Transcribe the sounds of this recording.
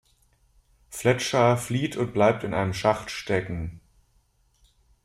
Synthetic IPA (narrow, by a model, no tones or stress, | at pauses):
flɛt͡ʃɐfliːtʰʊnt̚b̥laɪp̚tɪnʔaɪnəmʃaχtʃtɛkŋ̩